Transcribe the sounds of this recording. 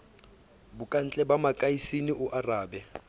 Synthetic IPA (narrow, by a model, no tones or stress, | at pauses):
bʊkʼan̩t͡ɬʼɛbamakʼaisiniʔʊʔaraːbɛ